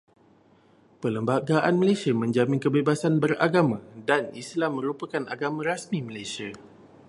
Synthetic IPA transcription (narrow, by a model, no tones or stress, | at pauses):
pələmbaɡaʔanmə̃lasiamə̃ɲd͡ʒamĩnkəbebasanbəɾa̰ɡamãdanislamːə̃ɾupakana̰ɡamãɾasmĩmə̃lajsia